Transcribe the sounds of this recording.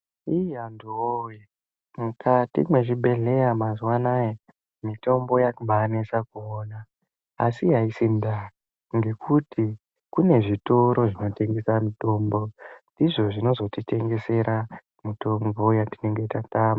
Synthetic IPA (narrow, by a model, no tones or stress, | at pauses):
ianduoje | mukʰatḭmwe̞ʐiɓe̞ɮe̞jamazwanaje | mito̞mbo̞jakuɓanesakuonaː | siɦaisinda | ŋɡe̞kʰutʰi | kune̞ʐito̞ɾo̞ʐino̞te̞ŋɡe̞samito̞ːmbo̞ndiʐo̞ʐino̞zo̞tite̞ŋɡe̞se̞ɾa | mito̞mbo̞jatine̞ŋɡe̞tataːma